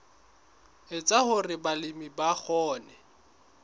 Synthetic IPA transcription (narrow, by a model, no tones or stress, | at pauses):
ɪt͡sʼahʊrɪbalɪmibak͡xʰɔːnɛ